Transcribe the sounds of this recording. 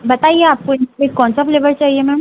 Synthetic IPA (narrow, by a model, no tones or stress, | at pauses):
bət̪ajeap̚koekːɔɳt͡safleʋəɾt͡ɕaɦiemɛ